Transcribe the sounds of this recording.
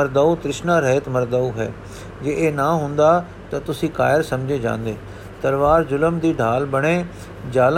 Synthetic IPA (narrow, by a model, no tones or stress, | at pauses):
əɾd̪aːut̪ɾɪʃnãːɾɛːɪt̪məɾd̪aːuɦɛ̰ː | d͡ʒeːeːnãːɦʊ̃nd̪aː | t̪at̪ʊsĩːka̰ːjəɾsəmd͡ʒeːd͡ʒã̰ːnd̪eː | t̪əlʋaːɾd͡ʒʊləmd̪iːɖʱaːlbəɽ̃eː | d͡ʒaːl